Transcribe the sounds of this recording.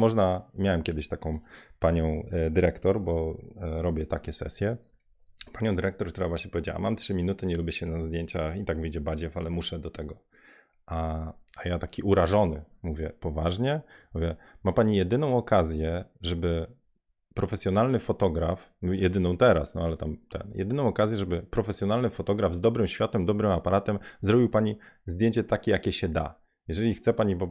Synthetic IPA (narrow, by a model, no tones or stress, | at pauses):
mɔʐnamʲjawɛmkʲɛd̪ɪɕt̪akɔ̃w̃paɲɔ̃w̃d̪ɘɾɛkt̪ɔɾbɔɾɔbʲjɛt̪akʲɛsɛ̰sʲjɛ | paɲɔ̃w̃d̪ɘɾɛk̚t̪ɔɾk̚t̪uɾavwaɕɲɛpɔvʲed͡ʑawa̰mamtʂɘmʲinut̪ɘɲɛlubʲjɛɕɛnazd̪jeɲt͡ɕaxit̪aɡvɘjd͡ʑɛbad͡ʑɛfalɛmuʂɛd̪ɔt̪ʰɛɡɔ | ʔaajat̪akʲiʔuɾaʐɔnɘmuvʲjɛpɔvaʐɲɛmuvʲjɛmapaɲijɛd̪ɘnɔ̃w̃ɔkazʲjɛʐɛbɘ | pɾɔfɛsʲjɔnalnɘfɔt̪ɔɡɾafjɛd̪ɘnɔ̃w̃t̪ɛɾasnɔalɛt̪amt̪ɛ̰njɛ̰d̪ɘnɔ̃w̃ɔkazʲjɛʐɛbɘpɾɔfɛsʲjɔnalnɘfɔt̪ɔɡɾavzd̪ɔbɾɘmɕfʲjat̪ɛmd̪ɔbɾɘmapaɾat̪ɛmzɾɔbʲiwpaɲizd̪jeɲt͡ɕɛt̪akʲɛjakʲɛɕɛd̪a̰ | jɛʐɛlʲixt̪sɛpaɲibɔ